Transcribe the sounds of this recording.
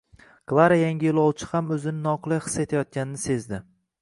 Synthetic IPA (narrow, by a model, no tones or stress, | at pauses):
klˠaɾajaŋʲɪjolˠɒwt͡ʃʰɪ̥hamɵzɪnɪnɒqʰɨlˠajχɨ̥sːet̪ʰajɒt̪̚kʲanɪnɪse̞zd̪ɪ